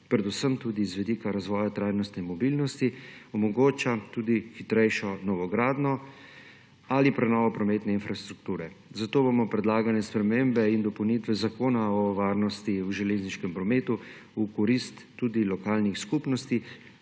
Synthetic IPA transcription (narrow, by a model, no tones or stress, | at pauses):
pɾɛd̪usəmt̪uːd̪izʋɛd̪ikaɾazʋɔːjat̪ɾajnɔst̪nɛmɔbilnɔst̪iɔmɔɡoːt͡ʃat̪ud̪ixit̪ɾɛjʃɔnɔʋɔɡɾaːd̪nɔ | alipɾɛnɔːʋɔpɾɔmeːt̪nɛinfɾast̪ɾukt̪uːɾɛ | zat̪oːbomɔpɾɛd̪laːɡanɛspɾɛmembɛind̪ɔpɔwnit̪ʋɛzakoːnaɔʋaːɾnɔst̪iwʒɛleːzniʃkɛmpɾɔmeːt̪u | ukɔɾist̪ːud̪ilɔkalnixskupnɔst̪i